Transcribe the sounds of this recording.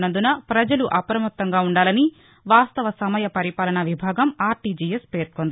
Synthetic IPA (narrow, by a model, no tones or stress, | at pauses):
nɐnd̪unɐpɾɐd͡ʒɐluʔɐpɾɐmɐt̪ːɐŋɡaːuɳɖaːlɐni | ʋaːst̪ɐʋɐsɐmɐjɐpɐɾipaːlɐɳɐʋibʱaːɡɐmaːɾʈiːd͡ʒijespe̞ːɾkond̪i